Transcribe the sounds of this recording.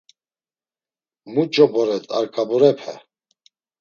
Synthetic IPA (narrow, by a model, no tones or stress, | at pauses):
mut͡ʃʼɔbɔɾɛt̪ʼa̰ɾkʼabɔɾɛpʰɛ̰